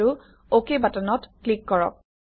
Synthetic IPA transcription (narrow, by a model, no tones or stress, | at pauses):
u | okebatanɔtklikːɔɹɔ̰k̚